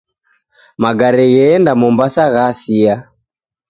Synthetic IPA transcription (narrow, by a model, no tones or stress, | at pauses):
maɡaɾɛjɛndamɔmbasaɣasia